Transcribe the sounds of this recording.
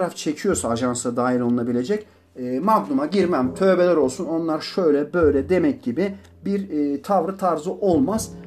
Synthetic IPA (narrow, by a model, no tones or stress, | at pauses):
ɾaft͡ʃʰe̞cʰijo̞saːʒansad̪aːɦilʲo̞lˠunabilʲe̞d͡ʒɛcː | maɡnˠumaɟiɾmæmt̪ʰø̞ːbelʲɛɾo̞lˠsuno̞nlˠaɾʃøjlʲɛbø̞jlʲɛd̪e̞mɛc̚ɟibɪ | biɾːt̪ʰavɾɯt̪ʰaɾzɯʔo̞lˠmaz̥